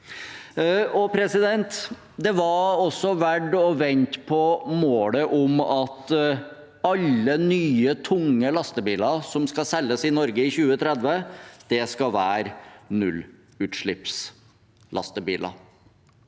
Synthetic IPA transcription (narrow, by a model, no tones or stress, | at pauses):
ɔpʰɾɛsɪd̪ɛnt̪ | d̪ɛʋɑɾɔsːɔʋæɖɔʋɛnt̪pʰɔmoːləʔʊmɑt̪ | ɑlːənyːət̪ʰʊŋːəlɑst̪əbiːlɑɾsɔmskɑsɛlːəsɪnɔɾɡəɪçʉːət̪ʰɾɛd̪ʋəd̪̥ɛskɑʋæːɾnʉ̰lː | ʉːt̪ʂɭɪps | lɑ̰st̪əbiːlɑ̰